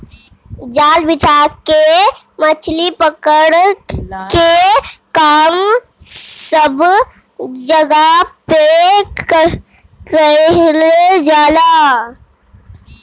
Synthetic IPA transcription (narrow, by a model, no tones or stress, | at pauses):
d͡ʒaːlbɪt͡ʃaːɾkemət͡ʃʰlipəkəɽ | kekaːm | səb | d͡ʒəɡape | kəled͡ʒaːlaː